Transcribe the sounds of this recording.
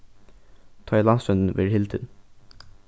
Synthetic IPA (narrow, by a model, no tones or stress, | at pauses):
t̪ʰɑːlɑnsœnd̪n̩ʋɪ̰ːɹɦɪlt̪ʰɪn